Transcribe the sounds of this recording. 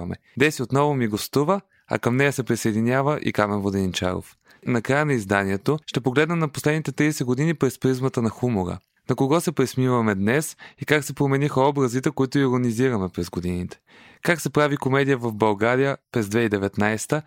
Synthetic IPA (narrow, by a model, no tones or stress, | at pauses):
mɛ̰ | d̪ɛsiot̪nɔvomiɡost̪uvə | ɐ̰kəmnɛjəsɛpɾisɐɛd̪inʲavəʔḭkamɛnvod̪ɛnint͡ʃa̰ɾo̰f | nɐkɾajənɐizd̪aniɛt̪oʃt̪ɛpoɡlɛd̪nɛmnɐposlɛd̪nit̪ɛt̪ɾijsɛɡod̪inipɾɛspɾizmət̪ənɐxumoɾə̰ | nɐkoɡɔsɛpɾɛsmivɐmɛd̪nɛsikaksɛpɾomɛnixɐɔbɾɐzit̪ɛkoit̪oiɾoniziɾɐmɛpɾɛzɡod̪init̪ɛ̥ | kaksɛpɾavikomɛd̪ijəvɐvbɐlˠɡaɾijəpɾɛzd̪vɛid̪ɛvɛt̪najst̪ə